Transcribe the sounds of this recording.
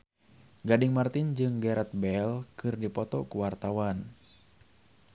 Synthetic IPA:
ɡadiŋmart̪ind͡ʒɨŋɡɛɾɛt̪̚bɛlkɨrdipɔt̪ɔkuwart̪awan

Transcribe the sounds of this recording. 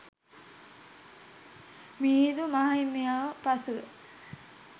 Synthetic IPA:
miːd̪umaɦaimejaʋəpasuʋə̰

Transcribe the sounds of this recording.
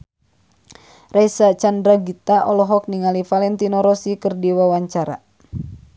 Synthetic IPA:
rajsat͡ʃandɾaɡit̪aʔɔlɔɦɔk̚niŋalifalɛnt̪inɔɾɔsikɨrdiwawaɲt͡ʃaɾa̰

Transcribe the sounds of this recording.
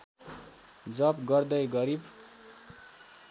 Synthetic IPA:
d͡zʌbɡʌrd̪ʌjɡʌɾib

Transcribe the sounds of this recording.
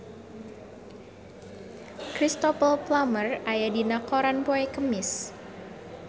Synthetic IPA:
kɾist̪ɔpəlplamərajadinakɔɾanpoɛkəmɪs

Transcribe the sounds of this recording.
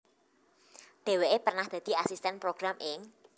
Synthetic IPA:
d̪̥e̤weʔepərnahd̪̥ä̤d̪̥i̤asist̪ɛnpɾoɡ̥ɾamɪŋ

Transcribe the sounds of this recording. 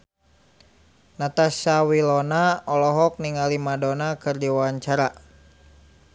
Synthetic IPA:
nat̪asawilɔnaɔlɔɦɔk̚niŋalimadɔnakɨrdiwaaɲt͡ʃaɾa

